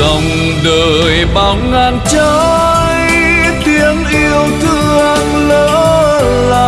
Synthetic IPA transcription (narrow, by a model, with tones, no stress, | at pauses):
ə˨wŋ͡m | ɗəː˨˩ | jɓa˨˧˩ŋ͡ma˧˩nt͡ɕəː˧˦ | j | t̪i˨˧˦ənʔi˧əwt̪ʰɨ˧˩˨ | ŋləː˧˦ | laː˧˩